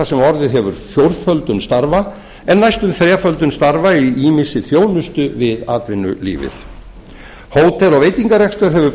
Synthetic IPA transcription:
asɛmɔɾðɪðɦɛvʏɾ̥fjowɾðfœlt̪ʏnst̪aɾva | ɛnːajst̪ʏmθɾɛːfœlt̪ʏnst̪aɾvaiiːmɪsɪθjoːwnʏst̪ʏvɪðaːt̪vɪnːʏ̰lḭːvɪ̰θ | hoːwt̪ʰɛlɔɣveːjt̪iŋkaɾrɛkst̪œɾ̥ɦɛvʏ

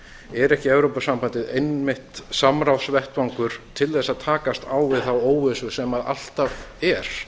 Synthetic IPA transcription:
ɛɾɛhcɪɛvɾowpasampant̪ɪðejnmɪht̪samɾawsvɛht̪vawŋkʏɾ̥t̪ʰɪlθɛsːaðt̪ʰaːkast̪aːwvɪðθawoːwɪsʏsɛmaða̰l̥t̪avɛɾ̥

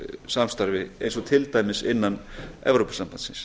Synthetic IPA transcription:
samst̪aɾvɪḛjns̬ɔt̪ʰɪlt̪aːjmɪsɪnːanɛ̰vɾowpasampant̪sɪns

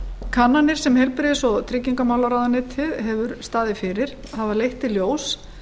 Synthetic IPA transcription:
kʰanːanɪɾ̥sɛmhejlpɾɪɪsɔɣt̪ʰɾɪcːiŋkamaːwlaɾaːwðanɪt̪ʰɪðɦɛvʏɾst̪aːðɪfɪːɾɪɾ̥ | havalejht̪ːɪljoːws

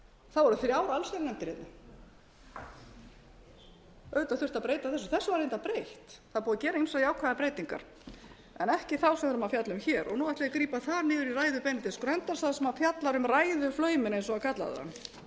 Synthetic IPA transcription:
θavɔɾʏθjaːwɾaalsennɛmt̪ɪɾet̪̚nɪ | œɥʏt̪aθʏr̥t̪apɾeːjt̪aθɛsːʏθɛsːʏvaɾejnt̪apɾejht̪θaðpuːðacɛːɾainsaðiaːwkʰvaðapɾeːjt̪iŋka̰ɾ̥ | ɛnɛhcɪθawsɛmvɛɾʏmafjat̪lʏmçɛːɾʔɔ̰ɣnuːaht̪lɪakɾiːpaθaɾnɪːðʏɾirajðʏpɛnɪt̪ɪskɾœnt̪aɾ̥saðsɛmafjat̪laɾʏmrajðʏflœːɥmɪnejnsɔɣakʰat̪la̰ðʏ̰ða̰nː

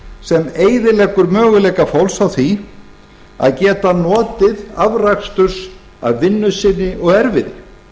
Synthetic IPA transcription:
sɛmeːjðɪlɛkʏɾmœːɣʏlɛːkafowlsawθi | a̰ðcɛːt̪anɔːt̪ɪðavrakst̪ʏɾs | a̰ðvɪnːʏsɪnːɪʔɔɣɛɾvɪðɪ

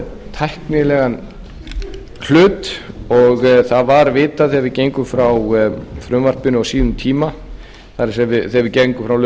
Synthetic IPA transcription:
t̪ʰajhknɪlɛɣan | kʰl̥ʏːt̪ɔɣθaðvaɾvɪːt̪aθɛvɪceːjŋkʏfɾawfɾʏmvar̥pɪnʏawsiːðʏmt̪ʰiːma | θaɾɪsɛvɪθɛvɪcejŋkʏfɾawl

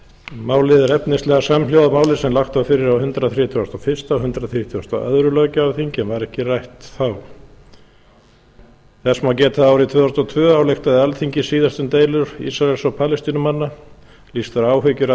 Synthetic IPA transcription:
maːwlɪðɛɾɛpnɪst̪lɛɣasamljowðamaːwlɪsɛmlawxt̪awfɪɾɪɾawhʏnt̪ɾaθɾiːt̪ʰʏast̪ɔfɪ̥st̪aɔhʏnt̪ɾaθɾit̪ʰːɔst̪a̰ʔœ̰ðɾʏlœːɥcʏawθiɲcɪɛnvaɾɛhcɪrajht̪θaw | θɛsmaːwcɛːt̪θaaːwɾɪt̪ʰvœːðɔst̪ɔt̪ʰvœːawlext̪aðɪalt̪ʰiɲcɪsiːðast̪ʏnt̪eːjlʏɾ̥ḭsɾaɛlsɔpʰaːlɛst̪inʏmanːa | list̪aɾaːwɦʏcʏɾ

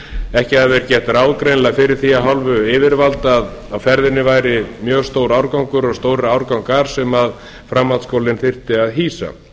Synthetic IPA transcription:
ɛhcɪaðvɛɾcɛht̪ɾawðkɾejnlafɪɾɪɾ̥θiaɦalvʏɪːvɪɾvalt̪aðawfɛɾðɪnːɪvaːjɾɪmjœːɣst̪oːwɾawɾkawŋkʏɾɔɣst̪oːwɾɪɾawɾkawŋkaɾ̥sɛmað | fɾamːat̪skoːwlɪnθɪr̥t̪ɪaðɦiːsa̰

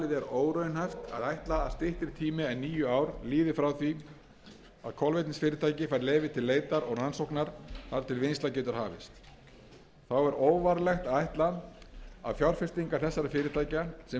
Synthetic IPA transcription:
lɪðɛɾoːwɾœjnhajft̪a̰ðajht̪laːðst̪ɪht̪ɪɾ̥t̪ʰiːmɪɛnːiːjʏaːwɾliːðɪfɾawθi | a̰ðkʰɔlvejt̪nɪsfɪːɾɪt̪ʰaːjcɪfajɾleːjvɪt̪ʰɪlːeːjt̪aɾɔɣransowhknaɾ̥θaɾ̥t̪ʰɪlvɪnst̪acɛːt̪ʏɾ̥haːvɪ̰st̪ | θawɛɾoːwvaɾlɛxt̪aðajht̪la | a̰ðfjɔwɾ̥fɪst̪iŋkaɾ̥θɛsːaɾɪfɪːɾɪt̪ʰaːjcasɛ

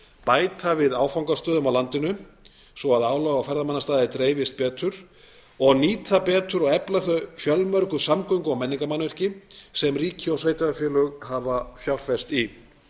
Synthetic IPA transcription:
paːjt̪ʰavɪðaːwfawŋkast̪œːðʏmawlant̪ɪnʏ | svɔaðaːwlɔɣawfɛɾðamanːast̪aːðɪt̪ɾeːjvɪst̪̚pɛːt̪ʰʏɾ̥ | ɔɣniːt̪ʰapɛːt̪ʏɾɔɣɛplaθœfjœlmœɾkʏsamkœjŋkʏɔwmɛnːiŋkamanvɛr̥cɪsɛmriːcɪɔsvejt̪aðafjɛːlœɣhavafjawl̥fɛst̪i

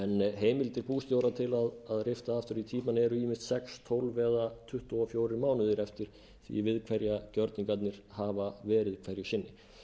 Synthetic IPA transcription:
ɛnɦeːjmɪlt̪ɪɾ̥puːst̪jowɾat̪ʰɪlaðaðrɪft̪aaft̪ʏɾit̪ʰiːmanɛɾʏiːmɪ̥st̪sɛkst̪ʰowlvɛːðat̪ʰʏht̪ɔɔfjoːwɾɪɾmaːwnʏðɪɾɛft̪ɪɾ̥ | θḭvɪðkʰvɛɾjacœɾt̪niŋkat̪nɪɾ̥haːvavɛːɾɪðkʰvɛɾjʏɕɪnːɪ

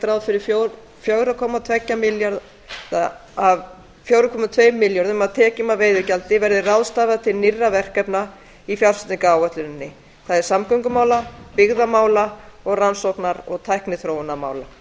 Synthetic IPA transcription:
t̪ɾawðfɪɾɪɾfo | fjœwɾakʰɔːmat̪ʰvɛcːamɪljaɾð | ðaav | fjoːwɾʏkʰɔːmat̪ʰvejmːɪljɔɾðʏmaðt̪ʰɛːcɪmaveːjðʏɾcalt̪ɪvɛɾðɪrawðst̪aːvaðat̪ʰɪlnirːavɛr̥kɛpna | ifjawɾsʏt̪iŋkaaːwœht̪lʏnnːɪ | θaðɛɾ̥samkœɥŋkʏmaːwlapɪɣðamaːwlaɔɣransɔwknaɾɔɣt̪ʰajhknɪθɾowʏnama̰ːwla

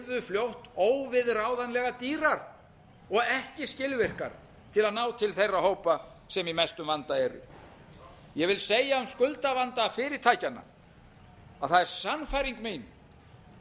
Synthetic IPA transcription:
ðʏfljowht̪oːwvɪðɾaːwðanlɛɣat̪iːɾaɾ | ɔɣɛhcɪscɪlvɪr̥ka̰ɾ̥ | t̪ʰɪlaðnaːwt̪ʰɪlθejrːaɦoːwpa | sɛmimɛst̪ʏmvant̪aɛɾʏ̰ | jɛvɪlseːjaʏmskʏlt̪avant̪afɪːɾɪɾ̥t̪ʰaːjcanːa̰ | aðθaðɛɾ̥sanfajɾiŋkmin

